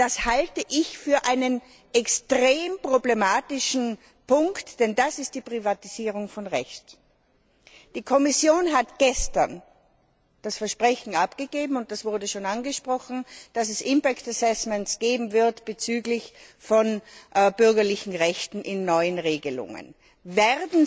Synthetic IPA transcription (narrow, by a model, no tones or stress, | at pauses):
d̥ashaltəʔɪçfyːɐʔaɪnən | ʔɛkstʁeːmpʁ̥oblemaːtɪʃn̩ | pʊŋktd̥ɛndasɪst̚d̥iːpʁ̥ivatiziːʁʊŋfɔnʁɛçt | d̥iːkʰɔmɪsjoːnɦatɡ̥ɛstɐn | d̥asfɛɐʃpʁ̥ɛçn̩apɡ̥əɡeːbm̩ʊnt̚d̥asv̥ʊɐdəʃoːnanɡəʃpʁ̥ɔxn̩d̥asɛsʔɪmpaktasɛsmɛntsɡ̥eːbm̩vɪɐtb̥ət͡syːɡlɪçfɔnbʏɐɡɐlɪçn̩ʁɛçtn̩ʔɪnːɔʏənʁeːɡəlʊ̰ŋə̰n | vɛʁdn̩